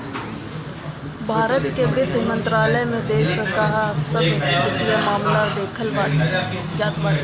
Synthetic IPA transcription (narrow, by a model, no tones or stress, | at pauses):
bʱaːɾət̪kebɪd̪ʱmɐ̃nt̪ɾaːləjmẽd̪eːsəkaɦsəbʊkijamaːmlad̪eːkʰəlbaː | jaːd̪baː